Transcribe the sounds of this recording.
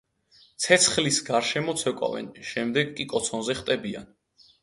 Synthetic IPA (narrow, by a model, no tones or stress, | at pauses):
t̪sʰɛt̪sʰχlisɡaɾʃɛmɔt̪sʰwɛkʼa̰vɛ̰nʃɛmd̪ɛɡkʼːikʼɔt̪sʰɔnzɛχt̪ʼɛbia̰n